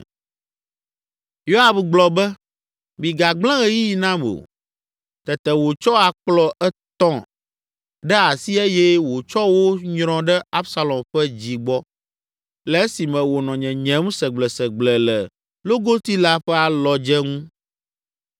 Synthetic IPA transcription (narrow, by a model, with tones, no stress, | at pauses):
jo˦a˨bɡ͡blɔ˨bɛ˦ | mĩ˨ɡa˨ɡ͡blɛ̃˦ɣɛ˦ji˦ji˨nã˦mo̰˨ | t̪ɛ˨t̪ɛ˨wo˨t͡ʃɔ˦a˨k͡plɔ˦ʔɛ˦t̪ɔ̃˦ | ɖɛ˦a˨si˦e˦jɛ˦wo˨t͡ʃɔ˦wo˦ɲɾ̃ɔ̃˦ɖɛ˦a˦bsa˦lɔ̃˨mɸɛ˦d͡ʑi˨ɡ͡bɔ˦ | lɛ˨˦si˨mɛ̃˨wo˨nɔ̃˨ɲɛ̃˨ɲɛ̃˨˦mũ˦sɛ˨ɡ͡blɛ˨sɛ˨ɡ͡blɛ˨lɛ˨ | lo˦ɡo˦t̪i˦la˦ɸɛ˦a˨lɔ˨d͡ʒɛ˦ŋũ˦